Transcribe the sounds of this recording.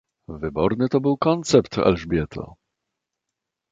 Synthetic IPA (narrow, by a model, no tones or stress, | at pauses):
vɘbɔɾnɘt̪ɔbɘwkɔnt̪sɛpt̪ɛ̰lʐbʲjɛt̪ʰɔ̰